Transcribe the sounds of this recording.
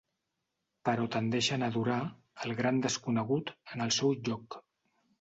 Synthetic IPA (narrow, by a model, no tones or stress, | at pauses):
pəɾɔt̪ənd̪eʃənəðuɾa | əlˠɣɾand̪əskunəɣut̪ənəlˠsɛwʒɔk